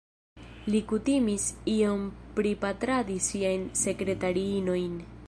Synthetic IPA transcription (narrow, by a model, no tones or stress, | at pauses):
likutimisio̞mpɾipat̪ɾadisiajnse̞kɾe̞taɾiino̞jn